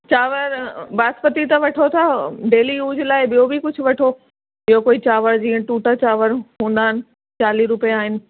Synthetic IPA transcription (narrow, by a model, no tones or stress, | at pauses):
t͡ɕaːʋəɾbaːspət̪it̪ɐʋɐʈʰot̪ʰaɖeːlijuːd͡ʑʱlaːɪɓijobʱɪkʊd͡ʑʱʊ̆ʋɐʈʰo | ɓɪjokoːit͡ɕaːʋəɾd͡ʑĩːə̃ʈuːʈat͡ɕaːʋəɾɦũːn̆d̪aːɦɪnɪ̆ | t͡ɕaːliɾʊpijeaːɦɪnɪ̆